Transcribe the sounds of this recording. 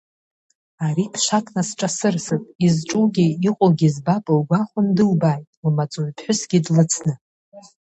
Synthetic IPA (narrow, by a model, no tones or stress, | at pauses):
aɾipʰʃʷakʼnasʈ͡ʂʼasɨrsɨpʼizʈ͡ʂʼuɡʲiiqʷʼoɡʲizbapʼɨlɡʷaχʷʊndɨlbaːjtʼlmat͡sʼuɥpʰħʷʊsɡʲidlɨt͡sʰnɨ